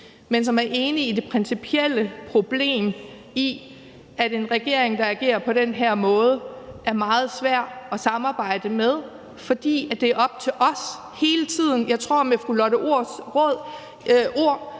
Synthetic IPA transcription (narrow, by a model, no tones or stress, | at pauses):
mens̬ɒ̽mæɐʔe̝ːniid̥e̝pʰʁɛnsipʰiel̰əpʰʁo̝b̥le̝̰ːm | i | æɾe̝nʁɛɡ̥e̝ɐ̰e̝ŋd̥ɑ̈æɡ̥e̝̰ːɐpʰɒ̽ɾ̥enɦæɐ̰mɔ̽ːð̞ˠəʔæɐmɑ̈ːð̞̩ˠsʋæɐ̰ɒ̽sɑ̈mɑ̈ːb̥ɑ̈ɪ̰d̥əmeð̞ˠ | fɒ̽d̥ḭːæd̥e̝æɐɒ̽b̥̚t͡sʰe̝ʔɒ̽s | he̝ːlət͡sʰið̞̰ˠn̩jɑ̈ɪt͡sʰʁo̝ɐ̰mefʁulɒɾəoɐ̰sʁɔð̰ˠ | ʔo̝ɐ̰